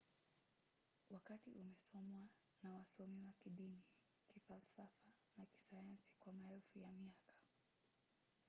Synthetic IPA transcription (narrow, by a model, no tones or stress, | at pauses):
wakatiʔumɛsɔmwa | nawasɔmimakiɗini | kifalsafa | naki̥sajansi̥kwamaɛlfujamiakḁ